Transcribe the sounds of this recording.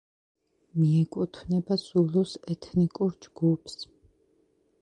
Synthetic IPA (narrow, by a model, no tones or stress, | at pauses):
miɛkʼut̪ʰvnɛbazulusɛt̪ʰnikʼuɾd͡ʒɡupʰs